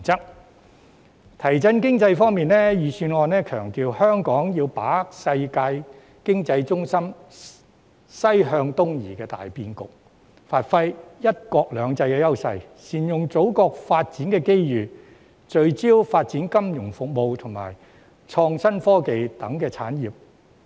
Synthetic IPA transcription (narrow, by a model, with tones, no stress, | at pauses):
t͡sɐ˥k̚ | t̪ʰɐ˨˩jt͡sɐ˥nkɪ˥ŋt͡sɐ˧jfɔː˥ŋmiː˨nlɛː˥jyː˨syː˧nɔː˨˧nɛː˥kʰœː˨˩ŋt̪iː˨˧whœː˥ŋkɔː˨˥ŋjiː˧wpaː˨˥sɐ˧jkaː˧j | kɪ˥ŋt͡sɐ˧jt͡sʊ˥ŋsɐ˥m | sɐ˥jɦœː˧ŋt̪ʊ˥ŋjḭː˨˩kɛː˧t̪a̰ː˨jpiː˧˩nkʊ̰˨k̚ | faː˧t̚fɐ˥jjɐ˥t̚kɔː˧k̚lœː˨˧ŋt͡sɐ˧jkɛː˧jɐ˥wsɐ̰˧jsiː˨˩njʊ˨ŋt͡so˨˥wkɔː˧k̚faː˧t̚t͡siː˨˥nkɛː˧ke˥jjyː˨ | t͡ʃɵ˧ɥt͡siː˥wfaː˧t̚t͡siː˨˥nkɐ˥mjʊ˨˩ŋfʊ˨k̚mo˨˧wt̪ʰʊ˨˩ŋma̰ː˨˩j | t͡ʃʰɔː˧ŋsɐ˥nfɔː˥ke˨˧jt̪ɐ˨˥ŋkɛː˧t͡sʰa̰ː˨˥njiː˨˩p̚